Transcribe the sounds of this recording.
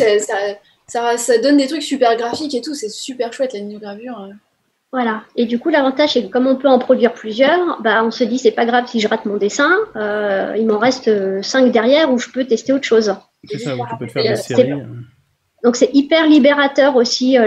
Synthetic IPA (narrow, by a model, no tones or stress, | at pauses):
ɛsa | sasad̪ɔnd̪et̪χyksypɛʁɡʁafiket̪usɛsypɛʁʃwɛt̪laninoɡʁavyʁ | vwalaed̪ykulavɑ̃t̪aʒsɛkəkɔmɔ̃pøɑ̃pχɔd̪ɥiʁplyzjœːʁbaɔ̃səd̪isɛpaɡʁavsiʒəʁat̪mɔ̃d̪esɛ̃øilmɑ̃ʁɛst̪øsɛ̃kd̪ɛʁjɛʁuʒəpøt̪ɛst̪eot̪ə̥ʃoz | ɛ | d̪ɔ̃ksɛipɛʁlibeʁat̪œʁosiø